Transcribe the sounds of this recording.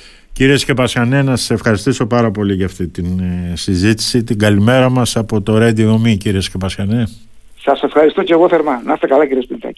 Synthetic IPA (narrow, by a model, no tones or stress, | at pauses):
ciɾie̞scepɐsxɐne̞nɐsɐ̥se̞fxɐɾist̪iso̞pɐɾɐpo̞liʝɐft̪it̪insizit̪i̥sit̪iɡɐlime̞ɾɐmɐsɐpo̞t̪o̞ɾed̪iɣomiciɾiescepɐskɐne̞ | sɐse̞fxɐɾist̪oceɣoθeɾmɐnɐst̪ekɐlɐciɾiespinθɐ̰ci̥